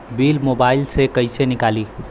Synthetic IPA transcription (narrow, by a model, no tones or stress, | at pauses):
bilmobailsekəɪsenikali